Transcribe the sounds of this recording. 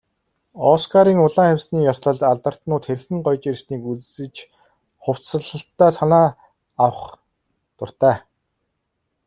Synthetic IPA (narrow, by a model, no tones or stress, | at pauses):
ɔskʰaɾiːŋʊɮaːŋæwʲsniːjɔsɮə̆ɮaɮt̪ə̆r̥t̪nʊːt̪xerxɘ̆ŋɢɔjt͡ɕersniːkut͡ssɘ̆t͡ɕ | χʊw̥t͡ssə̆ɮə̆ɬt̪ːæːsanaː | awə̆χ | t̪ʊr̥t̪æː